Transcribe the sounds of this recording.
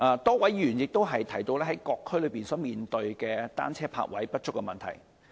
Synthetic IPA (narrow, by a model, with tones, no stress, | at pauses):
ʔaː˨˧t̪ɔː˥wɐ˨˥jjyː˨˩njɪ˨k̚t̪o˥wɦɐ˨jt̪ʰɐ˨˩jt̪o˧wlɛː˥ɦɐ˨˦jkɔː˧kʰːɵ˥lɵ˨˧ɥpiː˨˩nsɔː˨˥miː˨nt̪ɵ˧ɥkɛː˧t̪a̰ː˥nt͡sʰɛː˥pʰa̰ː˧k̚wʔɐ̰˨˥jpɐ˥t̚t͡ʃʊ˥kːɛ˧mɐ˨nt̪ʰɐ̰˨˩j